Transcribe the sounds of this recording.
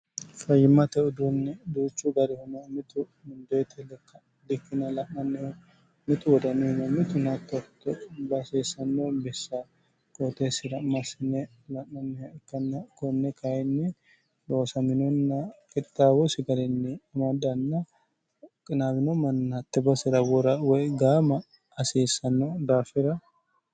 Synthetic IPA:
fɐjːɪmːɐt̪ɛʊd̪umnɛd̪uːt͡ʃːuɡɐɾɪhʊnɔmɪt̪ʊ | mɪnd̪ɔjɛt̪ʰɛlɛkːɐ | d̪ɪkːɪnɐlɐnːɐnːɛ | mɪt̪ʊwɔd̪ɐnːɛhʊnɐmːɪt̪ʊnɐt̪ːɐt̪ːɔbɐseːsɐnːobɛsːɐ | kʼot̪esɪd̪ɐmːɐsɪnːɛ | lɐnːɐnːɛkːɐnːɐkɔnːɛkajɛnːɛ | d̪oːsɐmɪnɔnːɐkʼɪt̪ʼːaːwɔsɪɡɐlɛnːɛɐmɐd̪ɐnːɐ | kʼɪnaːbɪnomɐnɐt̪ːɛbɐsɪɾɐwɔɾɐwɔɡaːmɐ | ɐseːsːɐnːod̪aːfɪɾɐ

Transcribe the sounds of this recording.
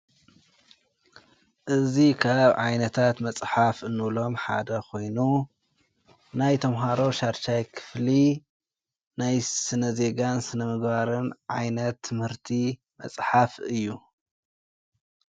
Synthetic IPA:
ʔɨzikʰaβʕajnɐt̪ʰat̪mɐt͡sʼħafɨnːɨβlo̞mħad̪ɐkʰo̞jnu | najt̪ʰɐmɦaɾo̞ʃaɾʃajkʰɨ̥fli | najsɨnɐze̞ɡansɨnɐmɨɡbaɾɨnʕajnɐt̪ʰːɨmhɨɾt̪ʰi | mɐ̰t͡sʼħafɨjːu

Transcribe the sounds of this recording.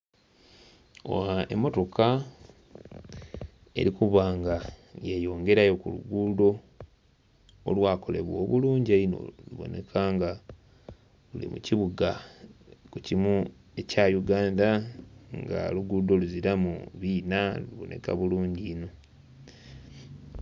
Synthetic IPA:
o̰wae̞̰mːo̞to̞kʰa | e̞̰ɾikuβaːŋɡajejo̞ːŋɡe̞ɾajo̞kulṵɡuːdo̞ | o̰lwaːko̞le̞̰βwo̰ːβuluːɲɟieino̞̰luβo̞̰ne̞̰kʰaːŋɡa | lulḭmuciβuɡa | kucimu | e̞cajuɡaːndaŋɡa̰luɡuːdo̞luziɾamṵβiːnaluβo̞̰nʔe̞̰ka̰βuluːɲɟino̞

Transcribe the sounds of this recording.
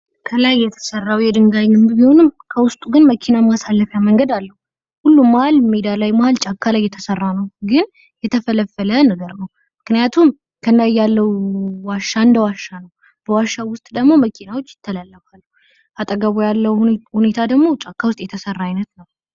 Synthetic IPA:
kʰəlajːɛt̪ʰə̥sərːawjɛd̪ɨŋɡajɡɨmbbiho̞nɨmkʰəwʊst̪ʼuɡɨnməkʰinamasalːəfjaməŋɡəd̪alːəhu | hulːumːahalmid̪alajmahalt͡ʃʼakʰːalajːɛt̪ʰəsərːanəwɡɨn | jɛt̪ʰəfələfːələnəɡəɾnəw | mɨknɨjat̪ʰum | kʰənd̪ajːalːəwwaʃːaɨnd̪əwaʃːanəw | b̥əwaʃːawʊst̪ʼd̪əɡmo̞məkʰinawot͡ʃːjɪ̥t̪ʰːəlalːəfalːuu | at̪ʼəɡəβojalːəwhune̞t̪ʰad̪əɡmo̞t͡ʃʼakʰːawʊst̪ʼjɛt̪ʰəsərːaːjnət̪nəw

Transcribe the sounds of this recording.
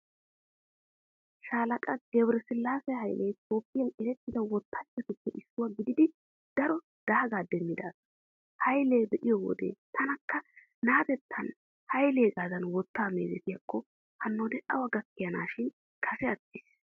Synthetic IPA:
ʃaːlɐkʼɐɡɛbɾɛsɪlːaːsɛjɦɐjlʔɛjt̪ʰʼo̞ːpʼːɪjɐnɛɾɛt̪ːɪd̪ɐwɔt̪ːaːt͡ʃːɛt̪ʊpːɛʔɪsːʊwɐɡɪd̪ɪd̪ɪ | d̪̥ɐɾɔ | d̪̥ɐhɐɡaːd̪ɛmːɪd̪aːs | hɐjleːbɛʔɪjɔwɔ̰d̪ḛːt̪ʰɐnɐkːɐ | naːt̪ɛt̪ʰːɐn | hɐjleːɡaːzɐnwɔt̪ːaːmeːzɛt̪ɪjɐkʰːɔ | hɐnːoːd̪ɛʔɐwɐɡɐkːɪjɐnaːʃɪn | kʰɐsɛɐt̪ːɪs

